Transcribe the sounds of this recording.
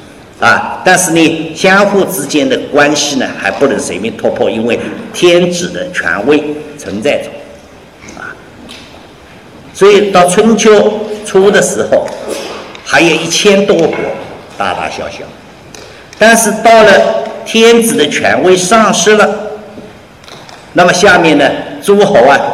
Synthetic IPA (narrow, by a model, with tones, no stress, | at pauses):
a˨t̪a˥˧nʂɻ̩˥˩ni˨˩ɕjɑ˥ŋxu˥˧ʈ͡ʂɻ̩˥t͡ɕjɛ˥nd̪ə˨kwa˥nɕi˥˧nə̰˩xa˧˥ɪpu˥˩lə˧˥nʂe˧˥ɪmi˥˧t̪ʰwɔ˥˧pʰɔ˥˩i˥nwe˥˩ɪt̪ʰjɛ˥nʈ͡ʂɻ̩˨˩d̪ə˦t͡ɕʰɥɛ̰˧˥nwe˥˧ɪt͡sʰwə˧˥nt͡sa˥˩ɪʈ͡ʂo̰˨˩˦ | a̰˩ | swɔ˧˥i˨˩t̪ɑ˥˧ʊt͡sʰwə˥nt͡ɕʰjo˥ʊʈ͡ʂʰu˥d̪ə˨ʂɻ̩˧˥xo˧ʊ | xa˧˥ɪjo˨˩ʊi˥˩t͡ɕʰjɛ˥nt̪wɔ˥kwɔ̰˧˥t̪a̰˥˧t̪a̰˥˩ɕjɑ̰˥˧ʊɕjɑ̰˥˩ʊ | t̪a˥˧nʂɻ̩˥˧t̪ɑ˥˩ʊlə˩t̪ʰjɛ˥nt͡sɹ̩˨˩d̪ə˦t͡ɕʰɥɛ̰˧˥nwe˥˧ɪʂɑ˥˧ŋʂɻ̩˥lə˨ | na˥˩mə˩ɕja˥˧mjɛ˥˩nnə˩t͡su˥xo˧˥ʊɐ˧